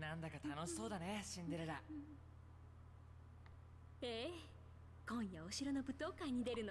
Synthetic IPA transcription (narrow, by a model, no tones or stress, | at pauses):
nãnd̪akat̪ano̞ɕi̥so̞ːd̪aneɕĩnd̪e̞ɾɯɾa | e | kõ̞ɰ̃jaoɕiɾonobɯ̟t̪o̞ːkãɲ̟ːid̪e̞ɾɯ̟no